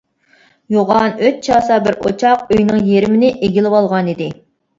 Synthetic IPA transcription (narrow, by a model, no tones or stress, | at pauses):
joʁɑnøt̪̚t͡ʃʰɑːsɑbɪɾʔo̰t͡ʃʰɑqøjnɨŋjeɾɪmɪnɪʔeɡʲilɪwɑlˠʁɑnid̪ɪ